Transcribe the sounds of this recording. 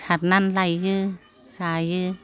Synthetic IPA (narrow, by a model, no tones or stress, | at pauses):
at̪̚nanlajjɯː | saːjjɯː